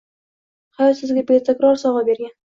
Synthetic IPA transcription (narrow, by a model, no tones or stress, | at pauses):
hasəzɡʲabet̪ɪkɾɑɾsɒʁabeɾɡʲan